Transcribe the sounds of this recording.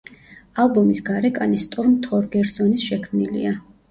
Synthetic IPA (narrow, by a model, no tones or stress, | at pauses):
alˠbɔmisɡaɾɛkʼanist̪ʼuɾmt̪ʰɔɾɡɛɾsɔnisʃɛkʰmnilḭa